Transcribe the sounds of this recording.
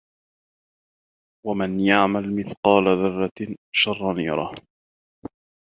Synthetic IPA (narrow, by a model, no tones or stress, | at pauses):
wamanjaʕmalmɪθqɑːlaðʊrˤːɑʃɑrˤːɑniːɾˤɑ̰h